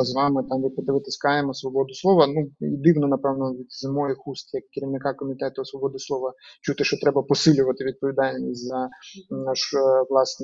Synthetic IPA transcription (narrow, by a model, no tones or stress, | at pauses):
zʋɑmɪt̪ɑmʋʲid̪̚pɪd̪ʋɪt̪ɪsʲkɑjemɔsʋɔbɔd̪ʊslˠɔʋɐnuḭd̪ɪʋnɔnɐpɛʋnɔʋʲid̪zɪmɔjixust̪jɐkːɪɾʲiwnɪkɑkɔmʲit̪ɛt̪ʊsʋɔbɔd̪ɪslˠɔʋɐt͡ʃut̪ɪʃt͡ʃɔt̪ɾɛbɐpɔsɪlʲʊʋɐt̪ɪʋʲid̪̚pɔʋʲid̪ɑlʲnʲisʲzɐnɑʃʋlˠɑsn